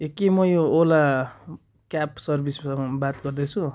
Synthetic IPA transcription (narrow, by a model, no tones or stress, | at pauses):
ekːemʌjoola | kapsʌrbisʌbat̪̚ɡʌrd̪et͡sʰu